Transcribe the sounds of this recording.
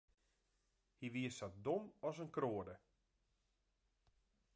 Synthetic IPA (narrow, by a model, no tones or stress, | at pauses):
hiʋiəsat̚domɔsənkroədə